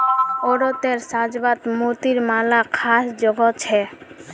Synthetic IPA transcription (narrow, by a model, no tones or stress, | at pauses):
ɔɾɔt̪eɾsad͡ʒbat̪mut̪iɾmalakʰasd͡ʒɔɡɔt͡ʃʰɛ